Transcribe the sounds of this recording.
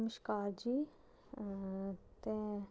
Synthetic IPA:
məʃkaːɾd͡ʒiː | t̪e

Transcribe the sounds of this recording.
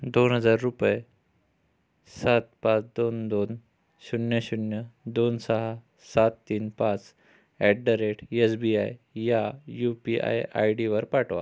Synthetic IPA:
d̪onɦəd͡zaɾːupje | sat̪̚pat͡sd̪ond̪on | ɕunjəɕunjəd̪onsəɦa | sat̪ːiːnpãt͡s | ɛʈ̚ɖəɾeʈesbia̰jjajupia̰ja̰jɖiʋəɾpaʈʰʋa̰

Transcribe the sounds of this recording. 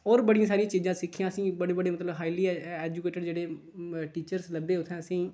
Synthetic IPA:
ɔːɾbəɽijãːs̬aːɾijãːt͡ʃiːzãːsɪkʰːɪjãːəsĩːbəɽeːbəɽeːmət̪ləbɦaːiliːɛːd͡ʒukeːʈɪɖd͡ʒeːɽeː | ʈiːt͡ʃəɾsləbeːʊt̪ʰːɛ̃ːəsĩː

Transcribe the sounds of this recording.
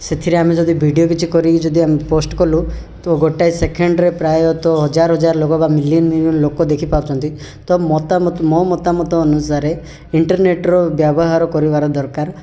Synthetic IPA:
set̪ʰiɾeamed͡ʒɔd̪ibʱiɖiok̬it͡ʃʰukɔɾid͡ʒɔd̪iameposʈkɔlu | t̪oɡoʈajsekʰeɳɖɾepɾajeɔt̪ɔɦɔd͡ʒaɾɔɦɔd͡ʒaɾɔlokɔbamiliɔnnlokɔd̪ekʰipabut͡ʃʰɔnt̪i | t̪ɔmɔt̪amɔt̪mɔmɔt̪amɔt̪ɔːnusaɾe | iɳʈɔɾneʈɾɔbjabɔɦaɾɔkɔɾibaɾɔd̪ɔɾkaɾ

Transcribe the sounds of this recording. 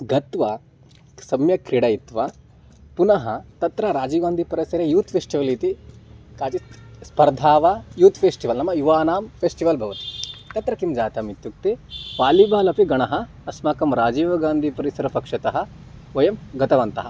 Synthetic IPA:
ɡɐt̪ʋɐ | sɐmjɐkɾiɽɐjit̪ʋɐ | punɐɦɐt̪ɐt̪ɾɐɾaːd͡ʒiːɡaːnd̪ʱipɐɾɐsɐɾejuːt̪pʰeːsʈiʋɐlit̪ikaːt͡ʃispɐɾd̪ʱaːʋajuːt̪pʰeːsʈiʋɐlnɐmːɐjuʋaːnaːmpʰeːsʈiʋɐlbʱɐʋɐt̪i̥t̪ɐt̪ɾɐkimd͡ʒaːt̪ɐmit̪juk̚t̪eʋaːlibaːlɐpiɡɐɳɐɦɐː | smaːkɐmɾaːd͡ʒiːʋɐɡaːnd̪ʱipɐɾisɐɾɐpɐkʂɐt̪ɐɦɐ̆ | ʋɐjɐmɡɐt̪ɐʋɐnt̪ɐɦɐ

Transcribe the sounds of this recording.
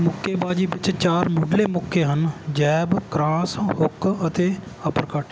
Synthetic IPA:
mʊkːeːbaːd͡ʒiːbɪt͡ʃt͡ʃaːɾmʊɖleːmʊkʰːeːɦənd͡ʒɛːbkɾaːsɦʊkʰət̪eː | əpəɾkəʈ

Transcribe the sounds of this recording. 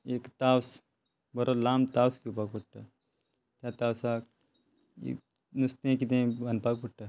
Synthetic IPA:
ekt̪aws | bəɾolamt̪awskipakpuʈʈa | t̪jat̪awsak | ḭ | nust̪ẽkit̪ẽbʱənpakpuʈʈa

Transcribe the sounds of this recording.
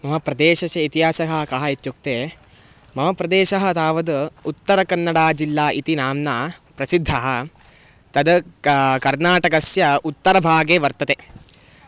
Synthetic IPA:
mɐɦɐpɾɐd̪eːʃɐsɐit̪iɦaːsɐɦɐɦɐkɐɦɐit̪juk̚t̪eː | mɐɦɐpɾɐd̪eːʃɐɦɐ̆t̪aːʋɐd̪ut̪ːɐɾɐkɐnːɐɽaːd͡ʒilːaːʔit̪inaːmnaːpɾɐsid̪ʱːɐɦɐ | t̪ɐd̪ɐkɐɾnaːʈɐkɐsjɐut̪ːɐɾɐbʱaːɡeːʋɐɾt̪ɐt̪e

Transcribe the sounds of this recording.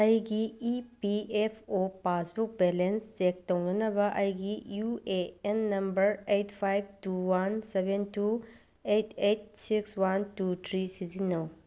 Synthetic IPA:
ɐjɡiːpiepʰopasbuk̚belensːek̚tɐwnɐnɐbɐʔɐjɡijueenːɐmbɐɾejtpʰajb̚tuwansebentu | ejtʰejt̚sikswantutʰɾisizinɐw

